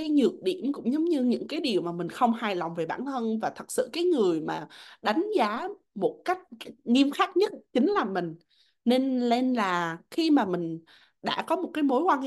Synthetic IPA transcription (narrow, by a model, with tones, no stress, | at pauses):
a˨˦jɲɨ˨˩ək̚ɗḭ˧˨əmkʊ̰˧˥ŋ͡mzə˨˦wŋ͡mɲɨ˧ɲɨ̰˧˥ŋkaː˨˦jɗi˨˩əwmaː˨˩mï˨˩ŋ̟xə˧wŋ͡mhaː˧˩jlɔ˨˩wŋ͡mve˨˩ɓa̰ː˧˩nt̪ʰə˧nvaː˨˩t̪ʰə˨˩t̚sɨ̰˧˨kaː˨˦jŋɨ˨˩əjmaː˨˩ɗa˨˦jŋ̟zaː˨˦ | mo˨˩t̚ka˦˥jk̟̚ŋi˧mxaː˦˥k̚ɲə˦˥t̚t͡ɕï˨˦ŋ̟laː˨˩mï˨˩ŋ̟ | ne˧nle˧nlaː˨˩xi˧maː˨˩mï˨˩ŋ̟ | ɗa̰ː˧˥kɔ˨˦mo˨˩t̚kaː˨˦jmo˨˦jkwaː˧nhi˧˥˦